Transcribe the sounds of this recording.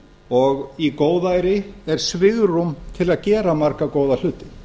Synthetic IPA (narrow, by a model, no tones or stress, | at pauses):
ɔɣikoːwðaːjɾɪɛɾ̥svɪɣrumt̪ʰɪlaðcɛːɾamaɾkakoːwðal̥ʏːt̪ɪ